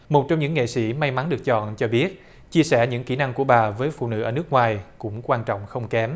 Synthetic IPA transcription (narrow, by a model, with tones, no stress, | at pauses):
mo˨˩t̚t͡ɕɔ˧wŋ͡mɲɨ̰˧˥ŋːḛ˧˨sḭ˧˩ma˧jma˨˦nɗɨ˨˩ək̚t͡ɕɔ̰˧˨nt͡ɕɔ˧ɓi˦˥ət̚ | t͡ɕi˧əsɛ˧˩ɲɨ̰˧˥ŋki˧˩na˧ŋku˧˩əɓaː˨˩vəː˨˦jfṵ˧˨nɨ̰˧˥ʔəː˧˩nɨ˦˥k̚ŋwaː˨˩jkʊ̰˧˥ŋ͡mkwaː˧nt͡ɕɔ̰˧˨wŋ͡mxə˧wŋ͡mkɛ˨˦m